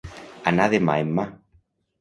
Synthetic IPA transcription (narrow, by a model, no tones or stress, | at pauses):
anaðema̰emːa